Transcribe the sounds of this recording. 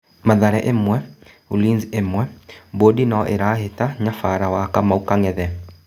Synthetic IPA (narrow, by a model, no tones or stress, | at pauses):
maðaɾɛʔemwɛ | ulinzemwɛbodinaʔeɾaːhetaɲafaɾawakamaukaŋɛðɛ